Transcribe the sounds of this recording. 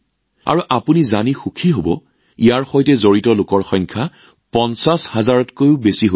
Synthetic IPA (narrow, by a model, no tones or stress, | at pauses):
a̰ɹuʔapunizanixukʰiɦobɔ | ijaɹxojtɛzoɹitɔlʊkɔɹxɔjŋkʰa | pɔnsashazaɹɔtkojʊbesiɦo